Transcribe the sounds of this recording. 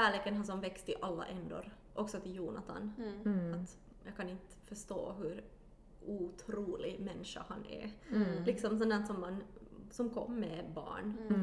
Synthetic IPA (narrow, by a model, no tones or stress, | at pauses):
ʃæːɭeːkənɦasɔmvɛkst̪ɪʔalːa̰ʔɛnd̪ɔ̰ɾ | ʔɔksɔt̪ʰɪljuːnat̪ʰa̰nat̪ | jɑːɡkʰanɪnt̪fœʂt̪o̰ːɦʉɾ | uːt̪ʰɾuːlɪmɛnːʂa̰ha̰nɛ̰lɪksɔmsɛnd̪ænsɔmːansɔmkʰɔ̰mːɛbɑ̰ːɳ